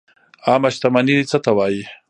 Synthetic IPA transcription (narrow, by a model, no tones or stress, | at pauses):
aːmaʃt̪amaniɾit͡sət̪awaːji